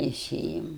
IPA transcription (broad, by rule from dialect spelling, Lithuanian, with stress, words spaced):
tʲɛɪˈsʲeːjɛm